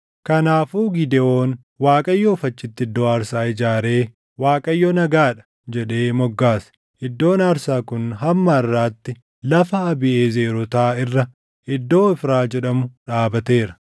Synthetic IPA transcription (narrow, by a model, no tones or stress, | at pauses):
kɐnaːfuːɡɪd̪ɛo̞ːn | waːkʼɐjːɔfɐt͡ʃːɪt̪ːɪɪd̪ːo̞ːaːɾsaːɪd͡ʒaːɾe̞ː | waːkʼɐjːɔnɐɡaːᶑɐ̥ | d͡ʒɛᶑe̞ːmɔɡːaːs | ʔɪd̪ːo̞ːnaːɾsaːkʊnɦɐmːɐɪrːaːt̪ːɪ | lɐfɐːbɪʔeːze̞ːɾɔt̪aːɪrːɐ | ʔɪd̪ːo̞ːɪfɾaːd͡ʒɛɗɐmʊᶑaːbɐt̪e̞ːɾɐ